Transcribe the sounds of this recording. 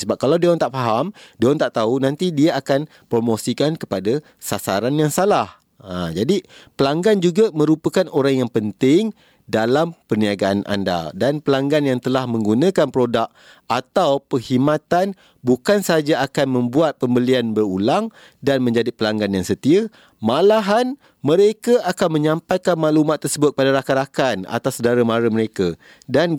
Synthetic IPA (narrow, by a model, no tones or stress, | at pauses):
səbap̚kalawdiant̪aʔfaɦamdiant̪aʔt̪aunãnt̪idiaakan | pɾomosikankəpada | sasaɾanjaŋsalah | ad͡ʒadipəlaŋɡand͡ʒuɡamə̃ɾupəkanoɾaŋjaŋpənt̪ɪŋ | dalampərniaɡaːnʔa̰nda̰danpəlaŋɡanjaŋt̪əlahmə̃ŋɡunə̃kanpɾodak̚ | at̪awpəhimãt̪an | bukansəaad͡ʒaakanmə̃mbuat̪̚pəmbəlianbəɾulaŋ | danmə̃ɲd͡ʒadipəlaŋɡanjaŋsət̪iə | malaɦan | mə̃ɾekaʔakanmə̃ɲãmpajkanmaʔlumaʔt̪ːərsəbʊt̪̚padaɾakaɾakana̰t̪asədaɾamaɾəməɾeka | dan